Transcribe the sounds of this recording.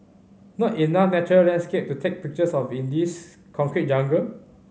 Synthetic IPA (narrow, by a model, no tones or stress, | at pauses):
nɔtinafnɛt͡ʃɔɹəlɛ̃nskep̚tutʰek̚pik̚t͡ʃəsɔfĩndis | kʰɔ̃ŋkɹit̚d͡ʒãŋɡə